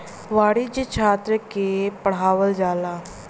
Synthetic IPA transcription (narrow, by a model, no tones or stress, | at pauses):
ʋaːɽid͡ʒt͡ʃʰaːt̪ɾəkepəɽ̤aːʋəld͡ʒaːlaː